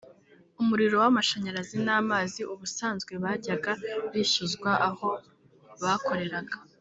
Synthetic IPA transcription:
umuɾiɾo̞wamaʃaɲaɾazinaːmaːziʔuβusaːnzɡwe̞βaːɟaɡaβiːʃuzɡwaʔaho̞ | βaːkʰo̞ɾe̞ɾaɡa

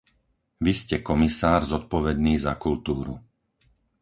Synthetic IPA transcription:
ʋiscɛkɔmisaːɾzɔt̪̚pɔʋɛd̪niːzakult̪uːɾṵ

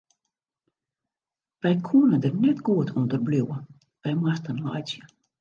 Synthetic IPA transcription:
bɛjkʰuənədərnɛtɡuətʰɔndərbluwə | b̥ɛjmastənla̰jsjə

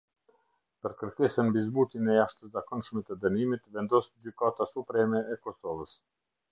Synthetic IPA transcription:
pəɾkəɾkɛsənmbizbut̪inɛjaʃt̪əszakɔnʃmɛt̪əd̪ənimit̪vɛnd̪ɔsd͡ʑykat̪asupɾɛmɛɛkɔsɔvəs

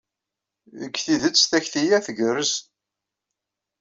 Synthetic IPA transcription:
əɡːθiðət͡sːθæçθijæθəɡərəs

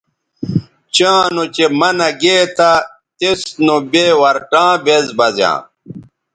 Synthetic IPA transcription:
t͡ɕãːnot͡ɕemɐnɐɡeːt̪ʰa | t̪esnobeːwɐɾʈãːbezbɐzjã̰ː

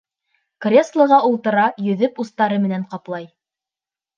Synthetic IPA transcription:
krʲeslˠɤ̆ʁɑulˠt̪ɤ̆ɾɑjɵ̆ðɵpust̪ɑɾɤmɘ̆næɴqɑplˠɑj

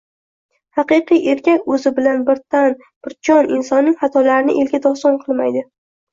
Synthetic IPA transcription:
hɑqɨqɨjʔe̞ɾkʲakʲɵzɪbɪlanbɪɾt̪an | b̥ɪɾt͡ʃʰɒnɪnsɒnːɪŋhat̪ʰɒlaɾɪnɪʔelɡʲad̪ɒsɒnqʰɨlˠmajd̪ɪ

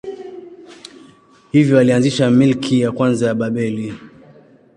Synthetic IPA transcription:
hivjɔalianziʃamilkʰijakwanzajaɓaɓɛli

